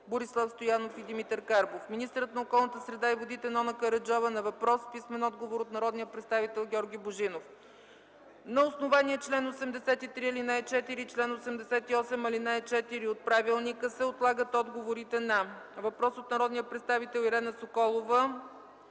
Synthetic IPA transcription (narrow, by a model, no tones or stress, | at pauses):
boɾislˠafst̪ojanofid̪imit̪əɾkaɾbofminist̪əɾət̪nɐokɔlˠnət̪əsɾɛd̪aivod̪it̪ɛnɔnəkəɾɐd͡ʒɔvənɐvɐpɾɔspismɛnɔd̪ɡovoɾot̪nɐɾɔd̪nijəpɾɛt̪st̪avit̪ɛlˠɡʲɔɾɡʲiboʒinof | nɐosnovaniɛt͡ʃlɛnosɛmd̪ɛsɛt̪it̪ɾiɐlinajt͡ʃɛt̪iɾit͡ʃlɛnosɛmd̪ɛsɛt̪iɔsɛmɐlinajt͡ʃɛt̪iɾiot̪̚pɾavilˠnikəsɛot̪lˠaɡət̪ɔd̪ɡovoɾit̪ɛnɐ | vɐpɾɔsot̪nɐɾɔd̪nijəpɾɛt̪st̪avit̪ɛlˠiɾɛnəsokɔlˠovə